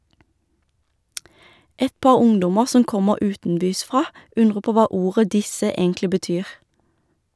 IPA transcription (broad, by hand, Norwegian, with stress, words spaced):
ˈɛt ˈpɑːʁ ˈʊŋdʊmə ˈsɔm ˈkɔməʁ ˈʉːtn̩ˌbyːsˌfʁɑː ˈʉnʁə ˈpoː ˈʋɑː ˈuːʁə ˈdɪsə ˈeːŋklɪ bəˈtyːʁ